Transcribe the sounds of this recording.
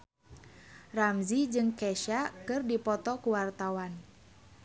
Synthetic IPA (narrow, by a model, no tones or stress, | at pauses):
ramzid͡ʒɨŋkɛʃakɨrdipɔt̪ɔkuwart̪awan